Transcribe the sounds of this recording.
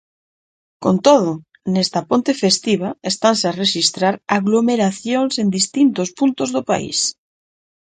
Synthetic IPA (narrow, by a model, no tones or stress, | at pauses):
kont̪oð̞o | nest̪apont̪efest̪iβ̞aest̪ansareʃist̪ɾaɾaɣlomeɾaθjoŋsend̪ist̪int̪ospunt̪ozðopa̰ḭs